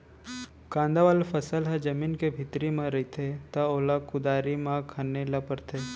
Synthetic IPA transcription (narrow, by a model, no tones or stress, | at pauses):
kãːnd̪aʋaːlfɐsəlɦɐ̃d͡ʒɐmiːnkebʱɪt̪ɾimãɾɐit̪ʰet̪ɐoːlakʊd̪aːɾimãkʰanelɐpəɾt̪ʰe